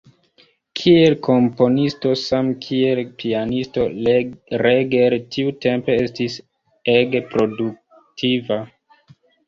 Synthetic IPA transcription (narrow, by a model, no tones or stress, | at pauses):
kʰie̞lkʰo̞mpo̞nisto̞samkʰie̞lpʰianisto̞ | ɾeɡeltʰiute̞mpe̞estis | eɡepɾo̞duk̚ | tʰiva